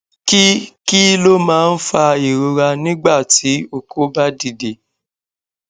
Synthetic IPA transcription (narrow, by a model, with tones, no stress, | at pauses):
ki˦ki˦lo˦mãː˨˦˧n̩˦fa˧e˨ɾo˧ɾa˧nĩ˦ɡ͡ba˦˨ti˨˦o˧kʰo˦ba˦di˦˨de˨